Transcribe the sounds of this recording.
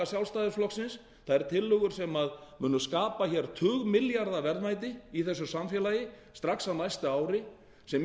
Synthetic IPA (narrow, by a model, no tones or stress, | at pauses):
asjawlst̪aːðɪɾflɔksɪns | θaðɛɾ̥t̪ʰɪlːʏɣʏɾ̥sɛmaðmʏːnʏskaːpaçɛɾt̪ʰʏːɣmɪljaɾðavɛɾðmajt̪̬ɪiθɛsːʏsamfjɛlajɪ | st̪ɾaksanajst̪aaːwɾɪ | sɛm